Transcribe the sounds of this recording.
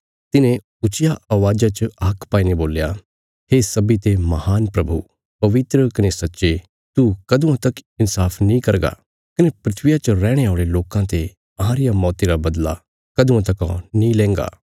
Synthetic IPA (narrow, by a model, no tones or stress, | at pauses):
t̪ɪnẽ | ʊt͡ʃɪjaʔaːʋaːd͡ʒat͡ʃəːkpaːiːneboːlja | ɦeːsɐbit̪emɐhaːnpɾɐbʱṵ | pɐʋɪt̪ɾəkɐnesɐtːʃe | t̪ukɐd̪ũãt̪ɐkɪnsaːpʰnĩkɐɾɡa̰ | kɐnepɾɪt̪ʰʋɪjat͡ʃəɾɛːɽ̃eaːɭeloːkãt̪e | ɐɦãːɾɪjamɔːt̪iɾabɐd̪la̰ | kɐd̪ũãt̪ɐkɔ̰̃nĩlɛ̃ːŋɡa̰ː